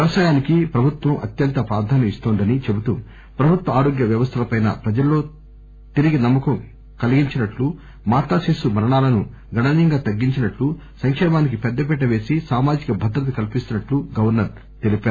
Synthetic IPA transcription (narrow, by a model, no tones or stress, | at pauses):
jɐʋɐsaːjaːnikipɾɐbʱut̪ʋɐmʔɐ̰t̪jɐnt̪ɐpɾaːɾd̪ʱaːnɐmist̪oːnd̪ɐnit͡ʃe̞but̪u | pɾɐbʱut̪wʋɐaːɾo̞ːɡjɐʋjɐʋɐst̪ʰɐlɐpɐjnɐ̰pɾɐd͡ʒɐlːo̞ː | t̪iɾiɡinɐmːɐkɐm | kɐliɡiɲt͡ʃinɐʈlu | maːʈ̪aːseːsumɐɾɐɳaːlɐnu | ɡɐɽaːnɐŋɡaːt̪ɐɡːiɲt͡ʃinɐʈlu | sɐŋkʂɛːmaːnikipɛd̪ːɐp̬ɛʈ̬ːɐʋe̞ːsisaːmaːd͡ʒikɐbʱɐd̪ɾɐt̪̬ɐkɐlipist̪unɐʈluɡɐʋɐɾnɐɾ | t̪elipaːɾu